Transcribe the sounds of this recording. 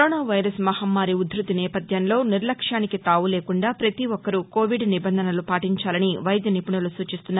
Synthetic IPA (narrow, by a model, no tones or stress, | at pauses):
ɾoːnaːʋɐjɾɐsmɐhɐmːaːɾiud̪ɾut̪inɛːpɐd̪ʱjɐnlo̞ːniɾlɐkʂaːnikit̪aːʋuleːkuɳɖaːpɾɐt̪iʋɔkːɐɾuko̞ːʋiɖnibɐnd̪ʱɐnɐlupaːʈiɲt͡ʃaːlɐniʋɐjd̪jɐnipuɳɐlusuːt͡ʃist̪unːa